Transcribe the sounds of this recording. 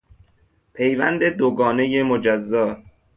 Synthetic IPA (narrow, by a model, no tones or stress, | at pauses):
pʰe̞jvæ̰nd̪ed̪oɡɒːne̞jemod͡ʒæzːɒː